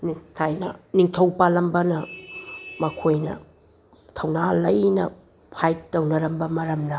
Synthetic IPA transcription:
nitʰajnɐ̰niŋtʰɐwpalɐmbɐnɐ | mɐkʰojnɐ̰ | tʰɐwnalɐjnɐ̰ | pʰajtɐwnɐɾɐmbɐmɐɾɐmnɐ

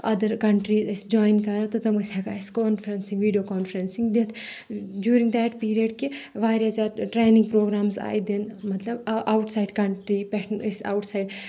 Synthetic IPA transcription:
ɐd̪əɾkɐ̃ɳʈɾiːzɪsd͡ʒɔːjnkɐɾat̪ɐt̪ɐmɐsɛɡaːɪskɔːnfɐɾɐnsĩŋɡʋiːɖijoːkɔːnfɾɐ̃nsĩŋd̪et̪ʰd͡ʒjuːɾĩŋɡd̪ɛʈpiːɾijəɖkeʋaːɾɐzaʈɾeːnĩŋɡpɾoːɡɾaːmza̰ːjd̪inmɐt̪lɐbʔaʊʈsaɪɖkɐ̃ɳʈɾipɛʈʰnisa̰ʊʈsaɪɖ

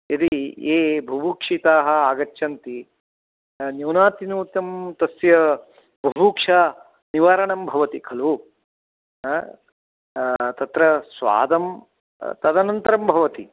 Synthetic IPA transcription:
id̪ieːbʱɐbuːkʂit̪aːɦɐ̆aːɡɐtːʃʰɐnt̪i | njuːnaːt̪inuːt̪ɐmt̪ɐsjɐ | bʱɐbuːkʂaː | niʋaːɾɐɳɐmbʱɐʋɐt̪ikʰɐlu | t̪ɐt̪ɾɐsʋa̰ːd̪ɐm | t̪ɐd̪ɐnɐnt̪ɐɾɐmbʱɐʋɐt̪i

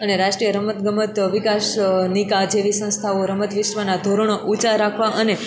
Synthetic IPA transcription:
əneɾaʃʈɾijəɾəmət̪ɡəmət̪ʋikaʃnikad͡ʒeʋisə̃st̪ʰaoɾəmət̪ʋɪʃʋənad̪ʱoɾəɳoʔut͡ʃaɾakʰʋaʔəne

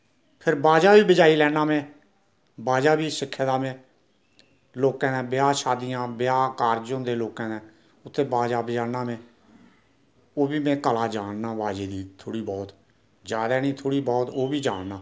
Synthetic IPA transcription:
pʰɪɾbaːd͡ʒaːbiːbəd͡ʒaːiːlɛːnaːmẽː | baːd͡ʒaːbiːsɪkʰːd̪aːmẽː | loːkãːnẽːbɪjaːʃaːd̪ijãːbɪjaːkaːɾd͡ʒõːd̪eːloːkãːnẽː | ʊt̪ʰːeːbaːd͡ʒaːbəd͡ʒaːnaːmẽː | oːbiːmɛ̃ːkəlaːd͡ʒaːɽnaːbaːd͡ʒeːd̪iːt̪ʰoːɽiːbɔːt̪ | d͡ʒaːd̪aːniːt̪ʰoːɽiːbɔːt̪oːbiːd͡ʒaːɽnaː

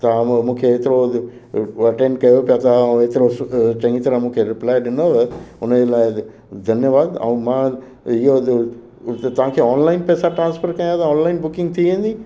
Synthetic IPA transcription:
t̪ɐmũːkʰeːt̪ɪɾo | ɐʈẽːɳɖkɐjopijat̪ʰaɐ̃ũet̪ɪɾot͡ɕɐ̃ŋ̃it̪ɐɾə̃mũːkʰeɾɪplaːɪɗɪnoʊnəd͡ʑelaːɪ | d̪ʱɐnjəʋaːd̪ɐ̰̃ũmã | ɪɦo | t̪ɐʋ̤ãkʰeːɔːnlaːɪnpɛːsaʈɾãːnsfəɾkɐ̃j̃at̪ʰaɔːnlaːɪnbʊkɪ̃ŋɡt̪ʰiʋẽːn̆d̪iː

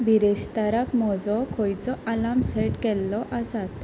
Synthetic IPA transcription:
biɾeɕt̪aɾakmɔd͡zɔkʰɔjt͡sɔʔalamsɛʈkɛlːɔʔasat̪

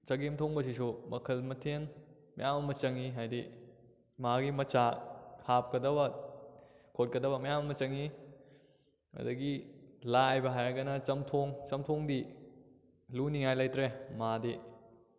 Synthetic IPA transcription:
t͡ʃɐɡemtʰoŋbɐs̬isumɐkʰɐlmɐtʰen | mɐjamɐmɐt͡ʃɐŋiɦajdi | maɡimɐt͡ʃahap̚kɐdɐbɐ | kʰot̚kɐdɐbɐmɐjamɐmɐt͡ʃɐŋi | ɐ̰dɐɡilajbɐɦajɾɐɡɐnɐt͡ʃɐmtʰoŋt͡ʃɐmtʰoŋdi | luniŋajlajtɾemadi

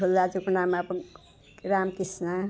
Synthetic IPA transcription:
ulːad͡zukunamap | ɾamkisna

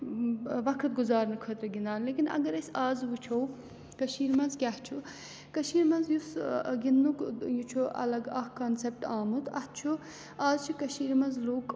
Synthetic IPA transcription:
ʋɐkʰɐt̪̚ɡuzaːɾnɐkʰɐt̪ɾɐɡind̪aːnleːkinɐ̰ɡɐɾɐsʲaːzʋut͡ʃʰoːw | kɐʃiːɾmɐnzkʲaht͡ʃʰu | kɐʃiːɾmɐnzjusɡind̪ukjut͡ʃʰuʔɐ̰lɐɡɐhkɐnsep̚ʈaːmut̪ɐ̰ht̪̚t͡ʃʰu | aːzt͡ʃʰukɐʃiːɾmɐnzluːk

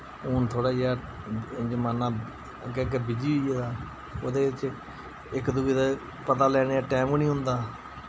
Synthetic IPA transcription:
uːnt̪ʰoːɽaːaː | d͡ʒəmaːnãː | kɛɡebɪd͡ʒiːd͡ʒedaː | o̰ːd̪eːɪt͡ʃ | ɪkd̪uɡiːd̪a | pət̪aːlɛːɽeːaːʈɛːmnĩːɦʊ̃nd̪aː

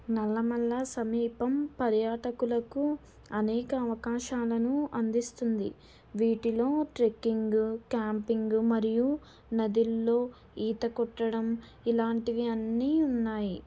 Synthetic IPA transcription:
nɐlːɐmɐlːɐsɐmiːpɐmpɐɾjaːʈɐkulɐku | ɐnɛːkɐːʋɐkaːʃaːlɐnuʔɐnd̪ist̪und̪i | ʋiːʈilo̞ːʈɾekːiŋɡkjaːmpiŋɡmɐɾiju | nɐd̪ilːo̞ː | iːt̪ɐkɔʈːɐɽɐm | ilaːɳʈiʋiɐnːiːunːaːji

